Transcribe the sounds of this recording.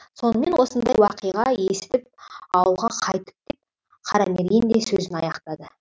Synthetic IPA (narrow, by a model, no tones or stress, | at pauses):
so̞nəme̞nwo̞sənd̪ɑjwɑqəjʁɑjesɪ̥t̪ɪp̚ɑwəlˠʁɑqʰɑjt̪ə̥p̚d̪̥e̞p̚ | qʰɑɾɑmeɾʲɪnd̪esɵzɪnɑ̰jɑqt̪ɑd̪ə